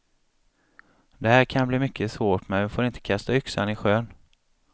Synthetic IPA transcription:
d̪ɛhæːɾkʰanbliːmʏkʰːəsvoːʈmɛmɛfoːɾɪnt̪ə̥kʰast̪aʏksa̰nɪɧøːn

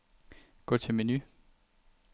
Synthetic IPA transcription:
ɡ̥ɔt͡sʰe̝meny

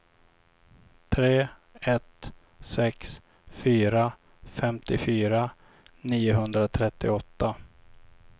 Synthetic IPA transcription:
t̪ʰɾeː | ɛt̪ | sɛks | fyːɾa | fɛmt̪ɪfyːɾa | niːʊɦɵnd̪ɾat̪ʰɾɛt̪ːɪɔt̪ːa

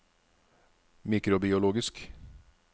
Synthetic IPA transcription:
miːkɾʊbɪʊloːɡɪsk

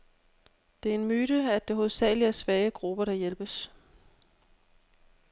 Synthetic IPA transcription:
d̥e̝æɐenmyːɾ̥əæd̥e̝ɦoðˠsɛ̰ːɪliæɐsʋɛːəɡ̥ʁub̥ɐɾ̥ɑ̈jelb̥əs

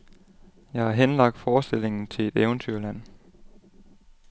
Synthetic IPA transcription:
jɑ̈ɪhɑ̈ɦenlɑ̈ɡ̥̚d̥fɒːsd̥e̝l̰e̝ŋn̩t͡sʰe̝le̝d̥eʊnt͡sʰyɐ̰læn̰

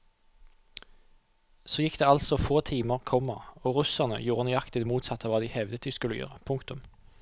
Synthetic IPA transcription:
soːjɪkd̪eːɑlsɔfoːt̪ʰiːməʁkʰɔməoːʁʉsæʁnə̰juːʁənʉɑkt̪ɪd̪muːt̪sɑt̪ːəʋɑːd̪iːhɛʋd̪ət̪d̪ʉːskʉləjø̰ːʁəpʰʊŋkt̪ʊm

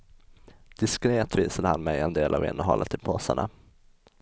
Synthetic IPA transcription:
d̪̥ɪskɾeːt̪viːsad̪əhanmɛjɛnd̪eːlʔavɪ̰nɔɦɔ̰ːlʔat̪ʰɪpʰoːsaɳa

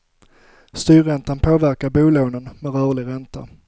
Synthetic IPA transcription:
st̪yːɾɛnt̪anpʰoːvæɾkaɾbuːloːnənmɛɾœːɭɪɡɾɛnt̪a

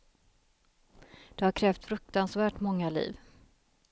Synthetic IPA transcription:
d̪̥ɛhaɾkʰɾɛːft̪fɾɵk̚t̪ansvæːʈmɔŋːalḭːv

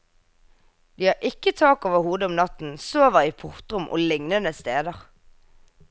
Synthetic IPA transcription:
d̪̥iːhɑːʁʔɪkːət̪ʰɑːkoːʋəhuːd̪əʊmnɑt̪n̩soːʋəʁiːpʰʊʁt̪ʁʊmʔo̰ːlɪŋnənəst̪eːd̪əʁ

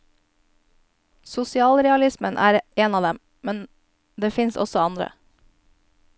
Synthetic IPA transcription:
sʊsɪɑːlɾɛɑlɪsmənʔæ̰ːɾʔeːnɑːd̪ɛm | mɛn | d̪eːfɪnsɔ̰sɔɑnd̪ɾə̰

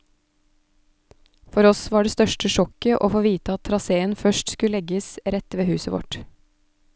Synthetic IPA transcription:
fɔɾɔsʋɑːɖeːst̪œʃʈəʃɔkəʔo̰ːfoːʋiːt̪əɑt̪ʰɾɑseːənfœʃtskʉlɛɡəsɾɛt̪ʋeːhʉːsəʋɔ̰ʈ

